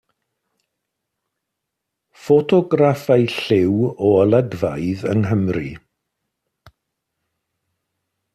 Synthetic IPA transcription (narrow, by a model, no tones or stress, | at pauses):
fɔtʰɔɡrafajɬɪwɔəlˠədvajðənɦəmri